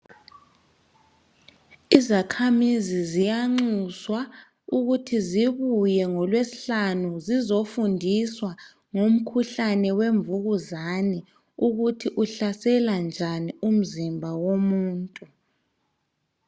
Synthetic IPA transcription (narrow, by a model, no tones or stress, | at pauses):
izakʰamizizijaŋ͡ǀuswa | uɣutʰiziβujɛŋɔlwesiɬanuzizofundʱiswa | ŋom̩kʰuɬanɛweɱvuɣuzanɛ | uɣutʰiʔuɬasɛland͡ʒʱanium̩zimbʱawomuːntʼu